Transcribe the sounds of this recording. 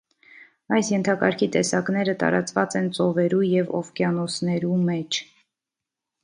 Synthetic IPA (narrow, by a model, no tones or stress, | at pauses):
ɑjsjɛnt̪ʰɑkɑɾkʰit̪ɛsɑknɛɾət̪ɑ̰ɾɑt͡svɑt͡sɛnt͡sɔvɛɾujɛvɔ̰vkjɑnɔsʰnɛɾumɛt͡ʃʰ